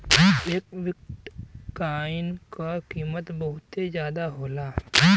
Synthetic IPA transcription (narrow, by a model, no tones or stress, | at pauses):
ʋekʋɪk̚ʈkaːɪnkakiːmət̪bəɦʊt̪ezjaːd̪aɦoːlaː